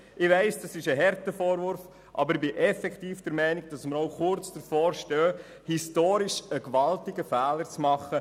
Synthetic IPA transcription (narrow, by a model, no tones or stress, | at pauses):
ʔɪʋɛɪsd̥ɑsɪʃəɦɛɾtəfoːɾʋʊɾf | ʔɑ̰bəɾɪbɪʔɛfɛktiːfd̥əɾmɛɪnɪɡ̚d̥ɑsməɾowχʊɾt͡sd̥əɾfoːɾʃtœː | histoːɾɪʃəkʋɑltɪɡəfæːləɾt͡smɑχə